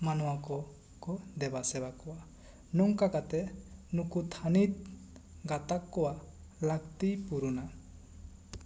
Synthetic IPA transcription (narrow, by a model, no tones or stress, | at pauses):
manɔwakɔ | kɔd̪ɛbasɛβakɔwa | nɔŋkakat̪ɛnukut̪ʰanit̪̚ | ɡat̪akːɔwalakt̪ipuɾuna